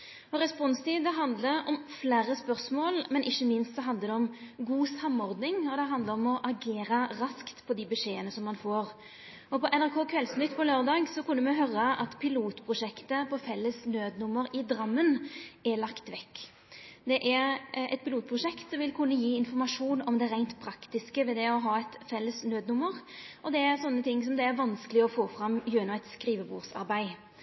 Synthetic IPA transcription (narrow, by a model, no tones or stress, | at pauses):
ɔɾɛspɔnst̪ʰiːd̪əɦɑnd̪ləɾɔmfleːɾəspœʁsmoːlmɛnʔɪçːəmɪnst̪sɔɦɑnd̪əɾd̪ɛɔmɡuːsɑmːɔɾd̪nɪŋɔd̪ɛɦɑnd̪ləɾɔmɔʔɑɡeːɾəɾɑskt̪pʰɔd̪ɪbəʂeːənəsɔmːɑnfoːʁ | ɔpɔʔɛnæʁkʰoːkʰʋɛlsnʏt̪ːpɔløːʁd̪ɑːɡsɔkʉnːəmɛɦœɾəʔɑt̪pʰɪluːt̪pʰʁʊʂɛkt̪əpʰɔfɛlːəsnøːd̪nʊmːəɾɪd̪ɾɑmːənæɾlɑkt̪ʋɛkː | d̪ɛʔæɾʔɛ̰t̪̚pɪluːt̪̚pʰʁʊʃɛkt̪sɔmʋɪlkʰʉnːəjiːɪnfɔɾmɑʂuːnɔmd̪ɛɾæɪnt̪pʰɾɑkt̪ɪskəʋɛd̪ɛɔɦɑːɛt̪fɛlːəsnøːd̪nʊmːəɾʔɔd̪ɛæɾsɔnːət̪ʰɪŋːsɔmd̪ɛæɾʋɑnskəlɪɔfoːfɾɑmjøːnʊɛt̪skɾiːʋəbuːʁsɑ̰ɾbæɪ